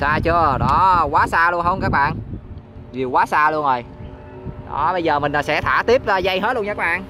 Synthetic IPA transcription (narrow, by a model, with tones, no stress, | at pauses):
saː˧t͡ɕə˧əɗɔ˨˦kwaː˨˦saː˧lu˧ənɦə˧wŋ͡mkaː˦˥k̚ɓa̰ː˧˨n | vi˨˩əkwaː˨˦saː˧lu˧əno˨˩j | ɗɔ˨˦ɓə˧jzəː˨˩mï˨˩ŋa˨˩sɛ̰˧˥t̪ʰa̰ː˧˩t̪i˦˥əp̚za˧za˧jɦe˦˥t̚lə˧ŋt͡ɕaː˦˥k̚ɓa̰ː˧˨n